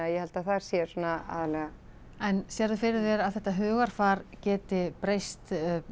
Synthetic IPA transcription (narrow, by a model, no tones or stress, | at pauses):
aðjɛhɛlt̪aθaɾ̥sjɛ̥sɔnaa̰ːðalɛɣa | ɛnsjɛːɾðʏfɪɾɪðvɛːɾaðθɛht̪ːaɦœːɣaɾ̥faːɾcɛːt̪ɪpɾejst̪